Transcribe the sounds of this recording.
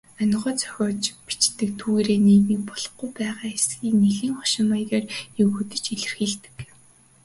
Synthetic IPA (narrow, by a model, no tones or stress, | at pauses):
œnʁɔːt͡sœ̥xʲɔːt͡ɕpi̥t͡ɕt̪ɘ̆k̚t̪ʰuːɣeːɾeːniːt̪niːk̚pɔɮɞ̆χɡujpæːʁaːesɡiːkneɮiːŋχɔ̥ʃɪ̆majteːriɣut̪ɘ̆t͡ɕeɮɘ̆rxiːɮt̪ɘ̥̆k